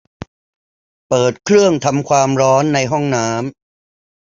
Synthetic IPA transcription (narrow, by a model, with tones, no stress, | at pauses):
pɤː˨˩t̪̚kʰɾɯ˥˩əŋt̪ʰa˧mkʰwaː˧mɾɔː˦˥nːa˧jɦɔ˥˩ŋnaː˦˥m